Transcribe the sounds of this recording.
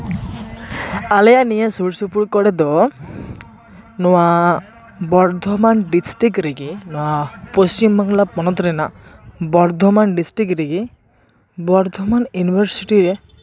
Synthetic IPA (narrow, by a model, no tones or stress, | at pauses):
alejanijasuɽsupuɽkɔɽed̪ɔ | nɔwa | bɔɾd̪ʱɔmanɖisʈikɾeɡinɔwapost͡ʃimbaŋlapɔnɔt̪ɾenabɔɾd̪ʱɔmanɖisʈɾikɾeɡi | bɔɾd̪ʱɔmanjunibʱɔɾsiʈiɾe